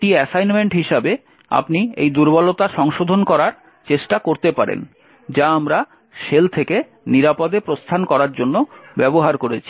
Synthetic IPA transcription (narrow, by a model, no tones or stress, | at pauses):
ʈiɛsajnmeɳʈɦiʃabe | a̰pniḛjd̪uɾbɔlot̪aʃɔŋʃod̪ʱonkɔɾaɾ | t͡ɕeʃʈakoɾt̪epaɾḛn | d͡ʑaamɾa | ʃelt̪ʰeke | niɾapod̪epɾost̪ʰankɔɾaɾd͡ʑonːobɛboɦaɾkoɾet͡ɕʰi̥